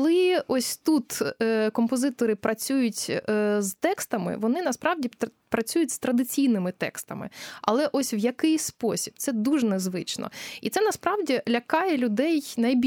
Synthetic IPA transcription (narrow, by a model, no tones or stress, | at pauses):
klˠɪɔsʲt̪ut̪ːkɔmpɔzɪt̪ɔɾɪpɾɐt͡sʲujʊtʲzt̪ɛkst̪ɐmɪ̰ʋɔnɪnɐspɾɑwdʲi | pɾɐt͡sʲujʊtʲst̪ɾɐd̪ɪt͡sʲijnɪmɪt̪ɛ̰kst̪ɐmɪ̰ɐ̰lˠɛʔɔsʲwjɐkɪjʲspɔsʲi̥b̥̚t̪sɛd̪uʒnɛzʋɪt͡ʃnɔ̰it̪sɛnɐspɾɑwdʲilʲɐkɑjɛlʲʊd̪ɛjnɐjbʲ